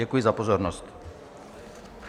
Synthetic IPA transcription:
ɛkujɪzapozoɾnost̪

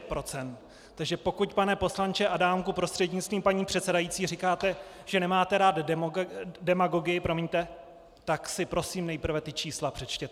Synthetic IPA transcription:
pɾo̞t͡sɛnt̪ | t̪ːaɡʒɛpo̞kucpanɛpo̞slant͡ʃɛʔadaːmkupɾo̞st̪r̥ɛdɲɪt͡st̪viːmpaɲiːpr̥ɛt̪sɛdajit͡siːrɪkaːt̪ɛ | ʒ̥ɛnɛmaːt̪ɛɾaːd̪ɛmdɛmaɡo̞ɡɪjɪpɾo̞miɲt̪ɛ | t̪aksɪpɾo̞siːmnɛjpr̩vɛt̪ɪt͡ʃiːslapr̥ɛt͡ʃcɛt̪

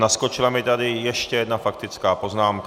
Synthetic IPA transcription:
naskot͡ʃɪlamɪt̪adɪjɛʃcɛjɛd̪nafakt̪ɪt͡skaːpo̞znaːmk

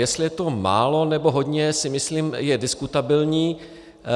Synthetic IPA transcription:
jɛst̪lɪjɛt̪o̞ma̰ːlo̞nɛbo̞ɦo̞d̪ɲɛsɪmɪsliːmjɛdɪskut̪abɪlɲiː

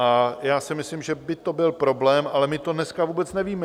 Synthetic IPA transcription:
ʔajaːsɪmɪslɪmʒɛbɪt̪o̞bɪlpɾo̞blɛːmʔalɛmɪt̪o̞dnɛskavuːbɛt͡snɛviːmɛ

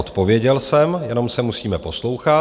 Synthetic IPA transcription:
ot̪po̞vjɛɟɛlsɛmjɛno̞msɛmusiːmɛpo̞slo̞wxa

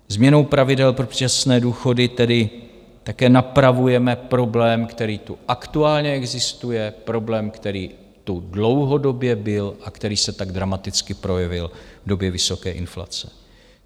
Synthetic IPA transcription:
zmɲɛno̞wpɾavɪdɛlpɾo̥asnɛːduːxo̞dɪt̪ɛdɪ | t̪akɛːnapɾavujɛmɛpɾo̞blɛːmkt̪ɛɾiːt̪uʔakt̪uaːlɲɛɛɡzɪst̪ujɛpɾo̞blɛːmkt̪ɛɾiː | t̪udlo̞wɦo̞do̞bjɛbɪlʔakt̪ɛɾiːsɛt̪aɡd̪ɾamat̪ɪt͡skɪpɾo̞jɛvɪlvdo̞bjɛvɪso̞kɛːʔɪnfla̰t͡sɛ̥

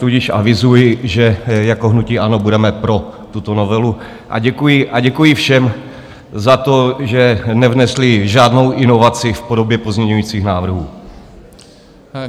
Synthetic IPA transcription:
t̪uɟɪʃʔa̰vɪzujɪʒɛjako̞ɦnuciːʔano̞budɛmɛpɾo̞t̪ut̪ono̞vɛlu | ʔa̰ɟɛkujɪʔaɟɛkujɪfʃɛm | zat̪o̞ʒɛnɛvnɛslɪʒaːdno̞wʔɪno̞vat͡sɪfpo̞do̞bjɛpozmɲɛɲujiːt͡siːxnaːvr̩ɦuː

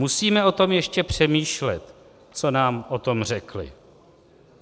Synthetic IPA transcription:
musiːmɛo̞t̪o̞mjɛʃcɛpr̝̥ɛmiːʃlɛt̪ | t͡so̞naːmʔo̞t̪o̞mr̝ɛklɪ̰

